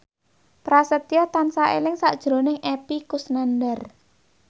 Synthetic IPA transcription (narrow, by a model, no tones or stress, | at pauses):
pɾasət̪ijɔt̪ansaʔḛlɪŋsaʔd̥ʒ̥ɾo̤nɪŋepikusnandər